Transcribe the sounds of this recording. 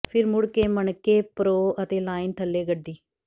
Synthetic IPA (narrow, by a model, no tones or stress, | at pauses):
pʰɪɾmʊɽkeːməɳkːeːpɾoːət̪eːlaːɪnʈʰəlːeːɡəɖːiː